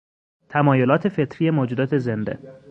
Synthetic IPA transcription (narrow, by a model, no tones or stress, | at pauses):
t̪ʰæmɒːjolɒːt̪ʰe̞fe̞t̪ʰɾijemoːd͡ʒud̪ɒːt̪ʰe̞zend̪ḛ